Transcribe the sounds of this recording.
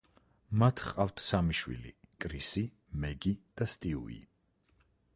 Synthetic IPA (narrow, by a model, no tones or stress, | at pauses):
mat̪ʰχqʼaft̪ʰsamiʃwḭlḭkʼɾisi | mɛɡid̪̥ast̪ʼiṵḭ